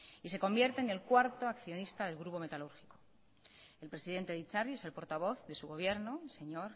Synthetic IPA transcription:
ise̞ko̞mbje̞ɾt̪e̞ːne̞lkwaɾt̪oakθjo̞nist̪aðe̞lɣ̞ɾupo̞me̞t̪aluɾxi̥ko | e̞lpɾe̞siðe̞nt̪e̞ðit͡ʃariese̞lpo̞ɾt̪aβ̞o̞θðe̞suɣo̞β̞je̞ɾno̞se̞ɲo̞ɾ

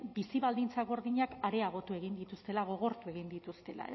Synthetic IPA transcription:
bisiβald̪int͡saɣo̞ɾðiɲakaɾe̞aɣ̞o̞t̪ue̞ɣ̞ind̪it̪ust̪e̞laɣ̞o̞ɣ̞o̞ɾt̪ue̞ɣ̞ind̪it̪ust̪e̞la̰e

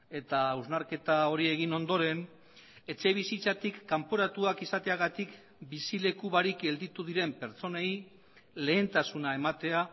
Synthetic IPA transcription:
e̞t̪auznaɾke̞t̪ao̞ɾie̞ɣ̞ino̞nd̪o̞ɾe̞n | e̞t͡se̞β̞isit͡sat̪ikːampo̞ɾat̪uakisat̪e̞aɣat̪ik | bisile̞kuβaɾike̞ld̪it̪uðiɾe̞mpe̞ɾt͡so̞ne̞j | le̞ːnt̪asunae̞mat̪e̞a

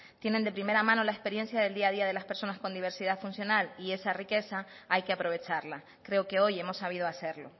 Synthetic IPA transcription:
t̪je̞nend̪e̞pɾime̞ɾamãno̞laespe̞ɾje̞nsjaðe̞ld̪iað̞iað̞e̞laspe̞ɾso̞nasko̞nd̪iβ̞e̞ɾsiðaðfunsjo̞nalie̞sarike̞sa | ajke̞apɾo̞β̞e̞t͡ʃaɾla | kɾe̞oke̞o̞je̞mo̞sːaβ̞ið̞oase̞ɾlo̞̰

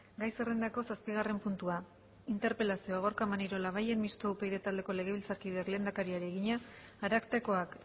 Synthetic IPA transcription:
ɡajse̞re̞nd̪ako̞saspiɣ̞are̞mpunt̪ua | int̪e̞ɾpe̞lasioaɣ̞o̞ɾkamaniɾo̞laβ̞aje̞nmist̪oupe̞jðe̞t̪ald̪e̞ko̞le̞ɣ̞e̞βilt͡saɾkiðeakle̞nd̪akaɾiaɾieɣiɲaːɾakt̪eko̞ak

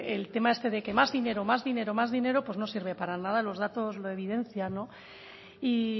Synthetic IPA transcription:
elt̪e̞maest̪e̞ð̞e̞ke̞mazðine̞ɾomazðine̞ɾomazðine̞ɾopwo̞zno̞siɾβ̞e̞paɾanað̞alo̞zð̞at̪o̞zlo̞e̞β̞ið̞e̞n̟θjano̞ | i

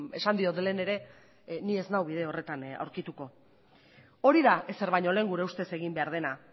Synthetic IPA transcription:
e̞̰sand̪io̞ðle̞ne̞ɾe̞ | nie̞znawβ̞ið̞e̞o̞re̞t̪ana̰wɾkit̪uko̞ | o̞ɾiðaʔe̞se̞ɾβajɲo̞le̞ːŋɡuɾe̞ust̪e̞se̞ɣ̞imbe̞aɾð̞e̞na

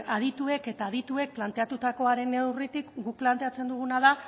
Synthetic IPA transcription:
aðit̪ue̞ke̞t̪aːðit̪ue̞k̚plant̪e̞at̪ut̪ako̞aɾe̞ne̞writ̪ikɡukplant̪e̞at͡se̞nd̪uɣ̞unaða

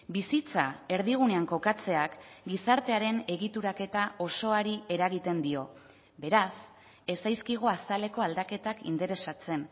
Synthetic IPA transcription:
bisit͡sae̞ɾðiɣ̞une̞aŋko̞kat͡se̞akɡisaɾt̪e̞aɾe̞ne̞ɣit̪uɾake̞t̪aʔo̞so̞aɾie̞ɾaɣit̪e̞nd̪io̞ | be̞ɾas | e̞sajskiɣ̞oast̪ale̞ko̞ald̪ake̞t̪akḭnt̪eɾe̞sat͡se̞n

